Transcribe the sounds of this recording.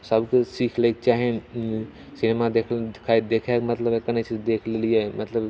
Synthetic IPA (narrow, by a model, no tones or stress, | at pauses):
sɐbksiːkʰlek̚t͡ʃaːɦen | sɪnemad̪ekʰld̪ɪkʰaːid̪eːkʰakmɐt̪ləbekɐnet͡ʃʰid̪eːkʰllijemɐt̪ləb